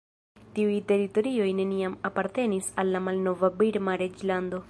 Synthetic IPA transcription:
tiujte̞ɾito̞ɾio̞jne̞niamapaɾte̞nisalːamalno̞vabiɾmaɾe̞d͡ʒlando̞

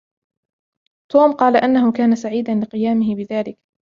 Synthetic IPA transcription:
t̪uːmqɑːlaʔanːaɦhʊkaːnasaʕiːd̪anlɪqɨjaːmɪhɪbɪðaːlɪk

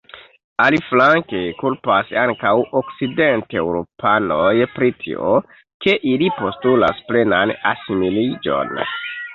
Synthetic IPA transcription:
aliflaŋkekulpasaŋkawo̞kside̞ntewɾo̞pʰanojpɾitʰḭo | ke̞ʔilipo̞stula̰sple̞nana̰similid͡ʒo̞̰n

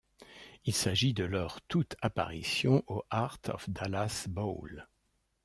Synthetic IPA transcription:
ilsaʒid̪əlœʁt̪ut̪ʰapa̰ʁisjɔ̃ʔoʔaʁt̪ʰɔ̰fd̪alasbol

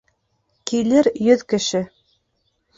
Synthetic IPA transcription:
kilɘɾjɵðkɘ̆ʃɘ

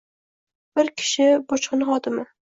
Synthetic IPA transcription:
b̥ɪɾkʲʰɪ̥ʃɪbɒt͡ʃqɨnχɒt̪ɪmɪ

